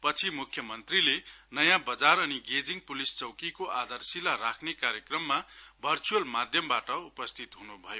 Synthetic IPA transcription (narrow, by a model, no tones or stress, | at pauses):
pʌt͡sʰimukʰjʌmʌnt̪rilenʌjãbʌd͡zaɾʌniɡed͡ziŋpulist͡sʌwkikoʔad̪arsilaɾakʰnekaɾjʌkrʌmːabʱʌrt͡suʌlmad̪ʱjʌmbaʈʌupʌst̪ʰit̪ɦunubʱʌjo